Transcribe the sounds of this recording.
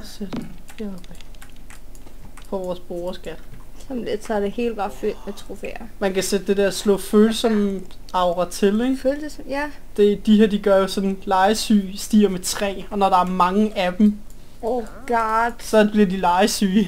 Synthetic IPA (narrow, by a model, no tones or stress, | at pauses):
sed̥eb̥ | fɒʋɒːsb̥oːɐsɡ̥æd̥sɒmled̥sɑd̥ehe̝̰ːlb̥ɑ̈føld̥met͡sʰʁofḛɐmænkæsed̥̚d̥e̝d̥eɐslɔ̰̽ːføːlsɒ̽mɑ̈ʊʁɐt͡sʰe̝leɡ̥sjæd̥e̝d̥iɦeɐ̰d̥iɡ̥ɶɐjo̝sɒ̽d̥nnlɑ̈ɪsy̰ːsd̥ḭːɐmet͡sʰʁɛ̰ːɒ̽nɒɾ̥ɑ̈æɐmɑ̈ŋəʔæd̥m̩ | o | ɡ̥ɑd̥sɒ̽b̥liɐdilɑ̈ɪsy̰ː